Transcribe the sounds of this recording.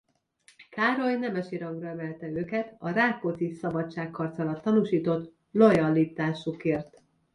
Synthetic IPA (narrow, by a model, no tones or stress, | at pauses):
kaːɾo̞jnɛmɛʃiɾɒŋɡrɒɛmɛlt̪ɛøːkɛt̪ɒɾaːkːot̪sisɒbɒtt͡ʃaːkʰːɒrt̪sɒlɒt̪ːɒnuːʃiːt̪o̞t̪ | lo̞jɒlit̪aːʃukeːrt̪